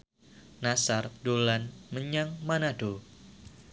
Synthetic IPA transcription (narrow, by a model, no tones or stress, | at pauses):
nasardolanməɲaŋmanado